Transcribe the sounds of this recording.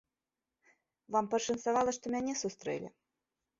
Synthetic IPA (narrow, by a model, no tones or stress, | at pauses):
vampɐʂənsavalˠɐʂt̪ɔmʲanʲɛsust̪ɾɛ̰lʲḭ